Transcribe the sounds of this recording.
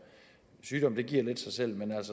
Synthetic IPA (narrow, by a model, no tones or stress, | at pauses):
syːɾ̥ɒ̽mnd̥e̝ɡ̥iɐ̰le̝d̥sɑ̈ɪsel̰menæl̰s